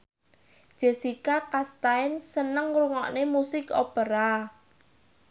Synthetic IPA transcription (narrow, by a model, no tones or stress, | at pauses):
ʒ̥e̤sikakast̪aɪnsənəŋruŋɔ̰ʔnemusɪkopəɾa